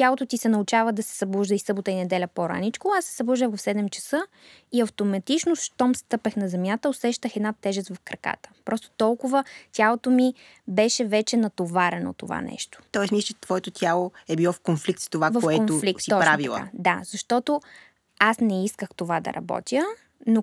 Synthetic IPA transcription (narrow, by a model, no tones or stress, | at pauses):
t̪ʲalˠot̪ot̪isɛnɐʊt͡ʃavəd̪ɐsɛ̥sɐblˠuʒd̪əisɤbot̪əinɛd̪ɛlʲɐpoɾa̰nit͡ʃkoasːɛ̥sɐblˠuʒd̪əxvɐfsɛd̪ɛmt͡ʃə̥sɤ | iɐft̪omɐt̪it͡ʃnosʃt̪ɔmst̪ɤpɛxnɐzɛmʲjat̪əosɛʃt̪əxɛd̪nat̪ːɛʒɛt̪t̪vɐfkɾɐka̰t̪ə̥pɾɔst̪o̥t̪ɔlˠkʊvət̪ʲjalˠot̪omi | bɛʃɛvɛt͡ʃɛnɐt̪ovaɾɛno̰t̪ova̰nɛ̰ʃt̪o̥t̪ɔɛsmist͡ʃɛt̪vɔɛt̪ot̪ʰʲalˠoɛbilˠɔfkonflikt̪st̪ovakvɐfɛkonʊfliksiɔpɾavil̰ˠa̰d̪azɐʃt̪ɔt̪o | asnɛiskəxt̪ovad̪ɐ̰ɾʔɐ̰bɔ̰t̪ʲjə | no